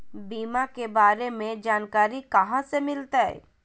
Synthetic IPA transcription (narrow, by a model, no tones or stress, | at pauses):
biːmakebaːɾemẽd͡ʒaːnkaːɾikɐɦãsemɪlt̪aɛ̰